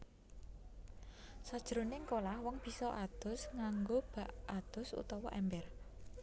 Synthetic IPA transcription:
sad̥ʒ̥əɾonɪŋkolahwɔŋb̥i̤sɔʔad̪̥ʊ̤sŋaŋɡob̥a̤ʔad̪̥ʊ̤sṵt̪ɔwɔ̰ʔɛmbɛr

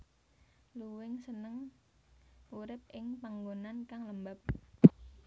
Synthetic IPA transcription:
luwɪŋsənəŋ | uɾɪp̚ʔɪŋpaŋɡonankaŋləmbap̚

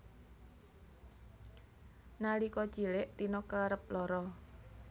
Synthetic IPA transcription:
nalikɔ̥t͡ʃilɪʔt̪inɔkaɾəp̚lɔɾɔ

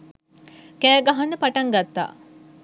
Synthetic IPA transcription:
kæːɡɐɦɐnːəpɐʈɐŋɡɐt̪ːa̰ː

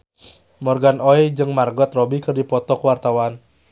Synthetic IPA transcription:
mɔrɡanɔɛd͡ʒɨŋmarɡɔt̪rɔbikɨrdipɔt̪ɔkwart̪awan

